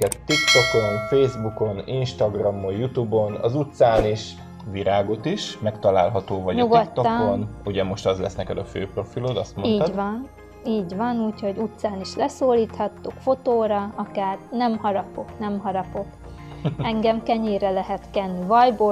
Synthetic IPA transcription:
ɛt̪t̪ikt̪o̞ko̞nfeːzbuko̞ninʃt̪ɒɡrɒmːojjut̪uːbo̞nɒ̰zut̪saːniʃ | ʋiɾaːɡo̞t̪iʃmɛkt̪ɒla̰ːlɦɒt̪oːvɒɲuɡotkt̪t̪ːoːonuɟɛmo̞ʃt̪ɒzlɛsnɛkɛd̪ɒfø̰ːpro̞filod̪ɒst̪moniːd̪vɒn | iːɟvɒnuːcho̞ɟut̪saːniʃlɛsoːliːt̪hɒt̪ːukfo̞t̪oːɾɒɒkaːrnɛmhɒɾɒpo̞knɛmɦɒɾɒpo̞k | ɛŋɡɛmkɛɲeːrɛlɛɦɛt̪kɛnːivɒjboː

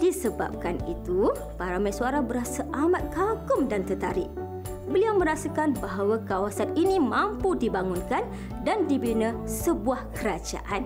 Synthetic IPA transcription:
d̥isəba̰p̚kanit̪u | paɾamãsuaɾabəɾasaʔamat̪̚kakʊmdant̪ət̪aɾɪʔ | bəliawmə̃ɾasakanbaɦawakawasaninimãmpudibaŋunkan | dandibinəsəbuahkəɾad͡ʒa̰ʔan

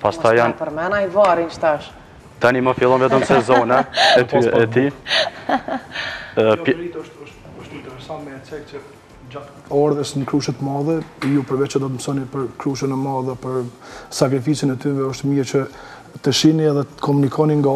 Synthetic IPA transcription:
past̪ajanpəɾmɛnajvaɾinʃt̪aʃ | t̪animəfilˠɔnvɛt̪əmsɛzɔnaɛt̪yʔɛt̪i | it̪ɔʃt̪ɔʃt̪ | ɔʃt̪int̪ɛɾɛsant̪mɛːt͡sɛkt͡ʃə | d͡ʑat̪ | aɾðəsnəkɾuʃət̪əmaðɛjupəɾvɛt͡ʃəd̪ɔt̪əmsɔnipəɾkɾuʃənɛmaðɛpəɾsakɾifisinɛt̪ynvɛɔʃt̪miɾt͡ʃə | t̪əʃiniɛðɛkɔmunikʰɔniŋɡa

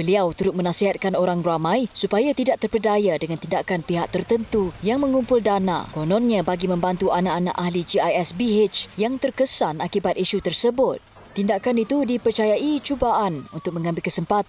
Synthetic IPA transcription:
bəliawt̪uɾʊt̪̚mə̃nasiɦat̪̚kanoɾaŋramãjsupajat̪idaʔ̚t̪ərpədajadəŋant̪indakanpiɦaʔ̚t̪ərt̪ənt̪ujaŋmə̃ŋumpʊldanã̰konɔ̃nɲãbaɡimə̃mbant̪uanaʔana̰ʔahlid͡ʒiajɛsbiɦet͡ʃjaŋt̪ərkəsanakibat̪̚iʃut̪ərsəbʊt̪̚ | t̪ːindakanit̪udipərt͡ʃajaʔit͡ʃubaʔanunt̪ʊk̚mə̃ŋãmbɪlkəsəmpat̪

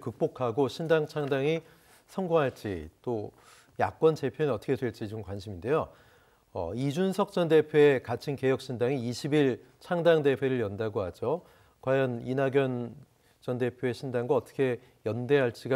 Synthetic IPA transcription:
kɯk̚p͈okʰaɡoɕʰindaŋt͡ɕʰaŋdaŋi | sʰʌŋɡoŋɦaɭt͡ɕ͈ḭt͈o | jak͈̚wʌnt͡ɕe̞pʰjoninʌt͈ʌkʰedwe̞ɭt͡ɕ͈id͡ʑomkwanɕʰiminde̞jo | ʌ̰id͡ʑunsʰʌk̚t͡ɕ͈ʌnde̞pʰjoekat͡ɕʰinke̞jʌk̚ɕ͈ʰindaŋiiɕʰibiɭ | t͡ɕʰaŋdaŋde̞ɸʰwe̞ɾɯɭjʌndaɡoɦad͡ʑo | kwajʌninaɡjʌn | t͡ɕʌnde̞pʰjoe̞ɕʰindaŋɡwaʌt͈ʰʌ̥kʰe̞ | jʌnde̞ɦaɭt͡ɕ͈iɡa

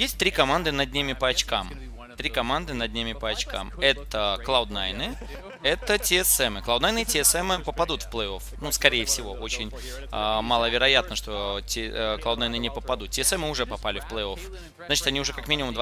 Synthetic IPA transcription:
jesʲt̚ʲt̪ɾʲikɐmand̪ɨnɐdʲnʲimʲɪpəɐt͡ɕkam | t̪ɾʲikɐmand̪ɨnɐd̪̚ʲnʲimʲɪpəɐt͡ɕka̰mɛt̪əklˠaʊd̪najnɨ | ɛt̪ətʲɪɛsɛmɨklˠawʊd̪najnɨtʲɪɛsɛmɨpəpɐd̪ut̪fplˠəo̞fnuskɐɾʲejəfsʲɪvo̞ʔo̞t͡ɕɪnʲ | əmalˠəvʲɪɾɐjat̪̚nəʂt̪o̞tʲklˠaʊd̪ajnɨnʲɪpəpɐd̪ut̪̚tʲɪɛsɛmːɨʊʐɛpɐpalʲɪfplˠəjo̞f | znat͡ɕɪ̥t̪ɐnʲiʊʐɛkɐkmʲinʲɪmʊmd̪v

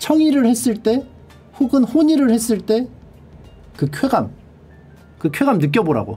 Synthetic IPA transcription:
t͡ɕʰʌŋiɾɯɭhe̞s͈ɯɭt͈e̞ | ɸuɡɯnhoɲiɾɯɭhes͈ɯɭt͈e̞ | kɯkʰwe̞ɡam | kɯkʰwe̞ɡamnɯk̬͈jʌboɾa̰ɡo̰

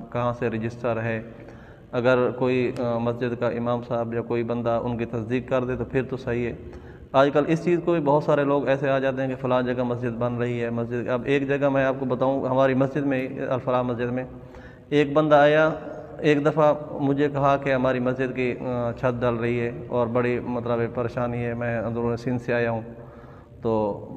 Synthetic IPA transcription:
kɐɦãseɾɪd͡ʒɪsʈəɾɦɛː | ɐɡəɾkoːimɐsd͡ʒɪd̪kaʔɪmaːmsaːbjakoːibə̃nd̪aʔʊ̰nkit̪ɐsd̪iːkːɐɾd̪et̪opʰɪɾt̪osɐɦiɦɛː | aːd͡ʒkəlɪst͡ʃiːzkobibɐːt̪saːɾeloːɡɛːseaːd͡ʒaːt̪̬eɦɛ̃kefɐlãːd͡ʒəɡamɐs̬d͡ʒɪd̪bɐnɾɐɦiɦɛːmɐsd͡ʒɪd̪ɐbeːkd͡ʒɐɡamɛ̃aːp̚kobɐt̪aːũɦɐmaːɾimɐsd͡ʒɪd̪mẽɐ̰lfəɾaːmɐsd͡ʒɪd̪mẽː | eːk̚bɐ̃nd̪aaːja | eːkd̪ɐfamʊd͡ʒʱekɐɦakeɦɐmaːɾimɐsd͡ʒɪd̪kit͡ʃʰɐt̪̚ɖəlɾɐɦiɦɛːɔːɾbɐɽimɐt̪ləbepɐɾeːʃaːniɦɛmɛ̃ːzʊɾuːɾsɪ̃nseaːjaɦũː | t̪oː

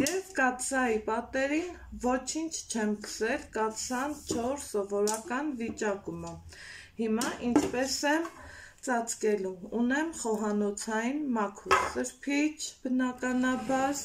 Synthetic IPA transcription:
jɛvkɑt̪sɑjipɑt̪ɛɾinvɔt͡ʃʰint͡ʃʰt͡ʃʰɛmkʰə̥sɛlkɑt̪sɑnt͡ʃʰɔɾsɔvɔɾɑkɑnvit͡ʃɑkumə | himɑʔint͡ʃʰpɛsɛmt͡sɑt͡skɛluunɛmχɔɦɑnɔt͡sʰɑjinmɑkʰuɾsəɾpʰit͡ʃʰb̥ənɑkɑnɑbɑɾ

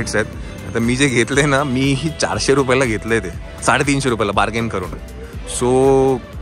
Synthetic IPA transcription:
eʈsaet̪ | at̪amiːd͡zeɡʱet̪lenamiːɦiːt͡ɕa̰ɾɕeɾupjalaɡʱet̪let̪e | saɽet̪̬iːnɕeɾup̬jalabaɾɡenkəɾṵːn | so

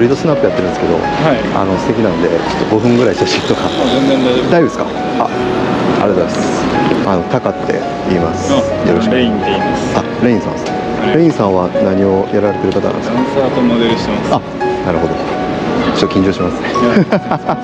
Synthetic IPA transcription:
ɾʲid̪osɨnapːɯjat̪ːeɾɯ̃nsɨ̥ke̞d̪o̞̰ | ha | a̰no̞sɨ̥t̪e̞kʲinãnd̪e̞t͡ɕo̞̥t̪ːo̞ɡo̞ɸɯ̟̃ŋɡɯ̟ɾaiɕaɕĩt̪ːo̞kazẽnzẽnd̪ad̪aibd̪esɨ̥ka̰ | a̰ | a̰ɾed̪aisano̞t̪akat̪ːe̞̰ | iːmasɨ̥ | joɾoɕikĩeimasa | ɾeĩsã̰ns | ɾeĩɰ̃sãɰ̃βanaɲ̟io̞jʔaɾaɾe̞t̪e̞ɾɯ̟kat̪anã̰neksat̪onod̪eɾɯɕi̥t̪emasa | naɾɯ̟ɦo̞d̪o | t͡ɕot̪ːkʲĩɲ̟d͡ʑo̞ːɕimasɨ̥ne

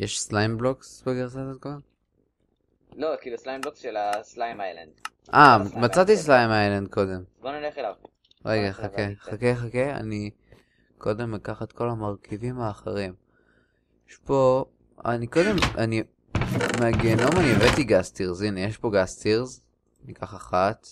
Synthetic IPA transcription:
jeʃslajmbloksbeɡeʁsatatkoa | lokiːluslajmbloksʃelaslajmajla̰nd̪ | ʔamat͡sat̪islajmajland̪̚kʰo̞d̪e̞mbonineχelav | ʁeɡaχakeχakeχakea̰ni | kʰo̞d̪e̞mːekaχat̪kʰo̞lamaʁkʰivimaːχeʁim | jeʃpo̞ | a̰niko̞d̪e̞mʔani | meaɡeːno̞manievet̪iɡast̪iʁzinejeʃpo̞ɡast̪iʁz | nikaχaχat̪

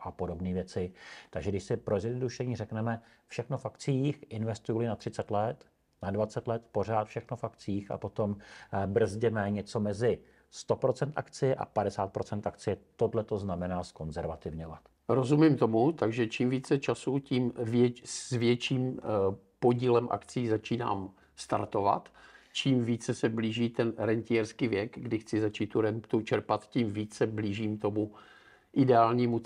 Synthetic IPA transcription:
ʔapo̞do̞bniːvjɛt͡sɪt̪aɡʒɛɡdɪʃsɪpɾozjɛnoduʃɛɲiːrɛknɛmɛ | fʃɛxnofakt͡sɪiːxʔɪnvɛst̪ujulɪnat̪r̥ɪt͡sɛt̪lɛt̪ | nadvat͡sɛt̪lɛt̪po̞r̝aːt̪fʃɛxnofakt͡siːxa̰po̞t̪o̞mbr̩zɟɛmɛɲɛt͡so̞mɛzɪ | st̪o̞pɾo̞t͡sɛnt̪a̰kt͡sɪjɛʔa̰padɛsaːt̪̚pɾo̞t͡sɛnt̪ʔakt͡sɪjɛt̪o̞dlɛt̪o̞znamɛnaːsko̞nzɛɾvat̪ɪvɲo̞vat̪ | ɾozumimt̪o̞mut̪aɡʒɛt͡ʃiːmviːt͡sɛt͡ʃasuciːmvjɛzvjɛt͡ʃiːm | po̞ɟiːlɛmʔa̰kt͡siːzat͡ʃiːna̰ːm | st̪a̰ɾt̪o̞va̰t̪t͡ʃiːmviːt͡sɛsɛbliːʒiːt̪ɛnɾɛnt̪iɛɾskiːvjɛɡɡdɪxt͡sɪzat͡ʃiːt̪ːuɾɛnt̪ut͡ʃɛɾpat̪ciːmviːt͡sɛbliːʒiːmt̪o̞mu | ʔɪdɛaːlɲiːmu

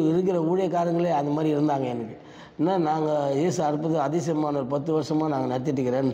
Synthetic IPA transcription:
ɪɾɯkːɪɾɐuːɻɐjɐkːaːɾjɐŋɡɐɭeːɐðd̪ɐmaːd̪ɾiɪɾɯnd̪aːŋɡɐɛnɯkːɯ | ɛnːaːnaːŋɡɐjeːsɯɐɾɯpːɐðɯɐðɪsɪjɐmaːnɐɾɯpɐt̪ːɯʋɐɾɐʂɐmaːnaːŋɡɐnɐɽɐt̪ːɪʈ̬ːɯkːɪɾẽːn

